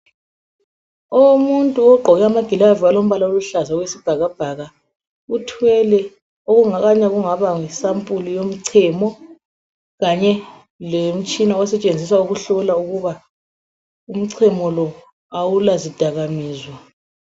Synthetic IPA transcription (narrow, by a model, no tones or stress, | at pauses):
ɔwomuntʼuɔɡ͡ǃʱɔɣɛamaɡ̥ʱilavialom̩βalaoluɬazawesib̥ʱaɣab̥ʱaɣa | utʰwɛlɛ | oɣuŋaɣaɲaɣuŋaβaŋisampʼulijom̩ǀʰɛmɔ | ɣaɲɛ | lem̩t͡ʃʼinaɔsɛt͡ʃʼend͡zʱisauɣuɬɔlauɣuβa | um̩ǀʰɛmɔlɔ | awulazid̥ʱaɣamiːzwa